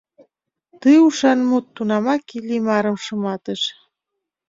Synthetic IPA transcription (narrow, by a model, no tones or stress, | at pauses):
t̪ɯuʃɑnmut̪ːunɑmɑkilʲimɑɾə̆mʃɤ̆mɑt̪əʃ